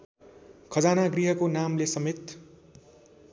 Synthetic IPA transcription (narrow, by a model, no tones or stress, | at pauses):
kʰʌd͡zanaɡriɦʌkonamlesʌmet̪